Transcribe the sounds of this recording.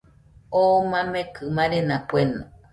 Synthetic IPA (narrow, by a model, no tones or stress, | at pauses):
omãmẽkʰɨmãɾenãpuenõ